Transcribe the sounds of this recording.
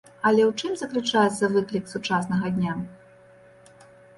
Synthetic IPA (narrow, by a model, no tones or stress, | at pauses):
ɐlʲɛwt͡ʂɨmzɐklʲɨt͡ʂajɛt̪sːɐvɨklʲiksut͡ʂasnɐɣɐd̪ʲnʲa